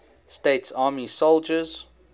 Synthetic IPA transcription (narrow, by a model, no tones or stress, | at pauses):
steɪtsɑːmisolˠd͡ʒəz̥